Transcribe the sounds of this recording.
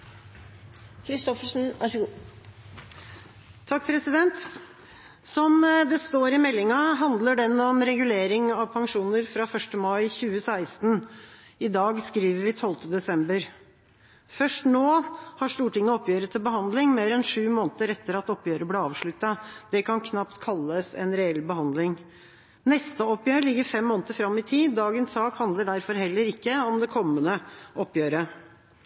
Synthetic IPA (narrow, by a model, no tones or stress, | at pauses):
kʰɾɪst̪ɔfəʂn̩ʔæ̰ʂəɡuː | t̪ʰɑk̚ːpʰɾɛsɪd̪ɛnt̪ | sɔmd̪ɛst̪oːɾɪmɛlːɪŋɑɦɑnd̪ləɖɛnːɔmɾɛɡʉleːɾɪŋɑʋpʰɑŋʂuːnəɾfɾɑːfœʂʈəmɑɪçʉːəsæɪst̪n | ɪd̪ɑːɡskɾiːʋəɾʋɪt̪ʰɔlt̪əd̪ɛsɛmbəɾ | fœʂʈnoːhɑʂt̪uːʈɪŋːəɔpjøːɾət̪ʰɪlbəhɑnd̪lɪŋmeːɾɛnʂʉːmoːnt̪əɾɛt̪ːəɾɑt̪ɔpːjøːɾəbleɑːʋʂɭʉt̪ːɑd̪̥ɛkʰɑnkʰnɑpt̪kʰɑlːəsɛ̰nɾɛɛlbəhɑnd̪lɪŋ | nɛst̪əɔpjøːɾlɪɡːəɾfɛmːoːnət̪əfɾɑmːɪt̪ʰiːd̪ːɑːɡənsɑːkhɑnd̪ləɖæɾfɔɾhɛlːəɾɪkːəɔmd̪ɛkʰɔmːənəʔɔpːjøːɾə